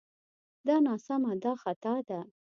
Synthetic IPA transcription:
d̪ɑnɑsamad̪ɑxat̪ɑd̪a

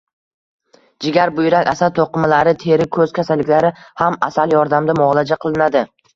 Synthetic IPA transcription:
d͡ʒɪɡʲaɾbʊjɾakʲasalt̪ʰoqɨmalaɾɪt̪ʰe̞ɾɪkʰɵz̥kʲʰasalːɪkʲlaɾɪhamasaljɒɾd̪amd̪amʊlˠad͡ʒaqʰɨlˠɪnad̪ɪ

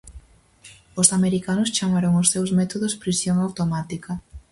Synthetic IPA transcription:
osameɾikanʊst͡ʃamaɾoŋosːewzmɛt̪oðospɾisjoŋawt̪omat̪ikɐ

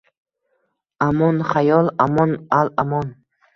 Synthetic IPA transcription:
amɔnχajɔlˠamɔnalamɔn

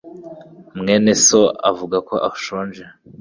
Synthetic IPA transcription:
mŋeːnesoa̰vuɡakoʔauʃoːnd͡ʒe

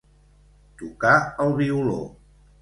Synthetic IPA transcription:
t̪ukaəlˠβiulo̰

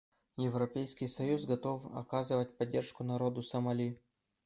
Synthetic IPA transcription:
jɪvɾɐpʲejskʲɪjsɐjuzɡɐt̪ofɐ̰kazɨvətʲpɐdʲːerʂkʊnɐɾod̪ʊsɐmɐlʲi

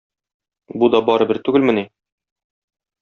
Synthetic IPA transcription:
bud̪ɒbɒɾɤ̆bɘɾt̪ʉɡɘlmɘ̆ni

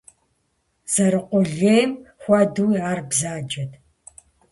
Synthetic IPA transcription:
z̥ɐɾɨqʷɔɮeːjmxʷɐduwjaːrbzaːd͡ʒɐtʰ

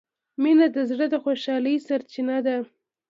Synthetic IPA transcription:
minad̪əzɽəd̪əxoʃɑləjsaɾt͡ʃinad̪a

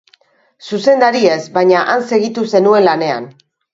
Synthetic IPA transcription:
suse̞nd̪aɾie̞zbaɲaʔanse̞ɣit̪use̞nue̞nlane̞a̰n

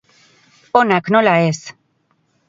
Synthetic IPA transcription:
onaknolaes

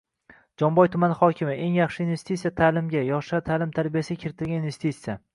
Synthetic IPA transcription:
d͡ʒɒmbɒjt̪ʰʊmanɪχɒkʲʰɪmɪe̞ŋjɑχʃɪinve̞st̪it̪sijat̪ʰaːlɪmɡʲajɒʃat̪ʰaːlɪmt̪ʰaɾbijasɪɡʲakʲʰeɾɪt̪ʰɪlɡʲaninve̞st̪it̪sija

